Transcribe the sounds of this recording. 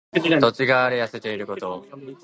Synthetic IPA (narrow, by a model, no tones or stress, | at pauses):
t̪o̞t͡ɕiɡaːɾejase̞t̪e̞iɾɯ̟ko̞t̪o̞